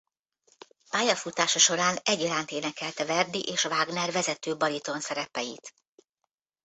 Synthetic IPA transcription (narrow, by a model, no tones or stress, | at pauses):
paːjɒfut̪aːʃɒʃo̞ɾaːnɛɟːɒɾaːnt̪eːnɛkɛlt̪ɛvɛrd̪iʔeːʃvaːɡnɛrvɛzɛt̪øːbɒlit̪o̞nsɛɾɛpɛjit̪